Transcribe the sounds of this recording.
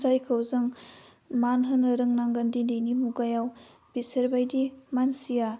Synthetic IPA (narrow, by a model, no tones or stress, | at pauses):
zajkʰawzɯŋ | manɦɯnɐɾɯŋnaŋɡɐndininimuɡajaw | b̥isɐɾbajdimansija